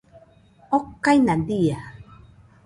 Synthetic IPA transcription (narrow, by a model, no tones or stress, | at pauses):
ɔkːajnadia